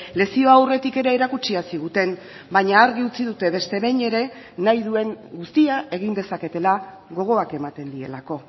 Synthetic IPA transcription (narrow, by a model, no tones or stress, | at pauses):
le̞sio̞awre̞t̪ike̞ɾeːɾakut͡ʃiasiɣ̞ut̪e̞n | bajɲaːɾɣiut͡siðut̪e̞βe̞st̪e̞βe̞ɲe̞ɾe̞ | najðue̞ŋɡust̪iae̞ɣind̪e̞sake̞t̪e̞la | ɣo̞ɣ̞o̞ake̞mat̪e̞nd̪ie̞̰lako̞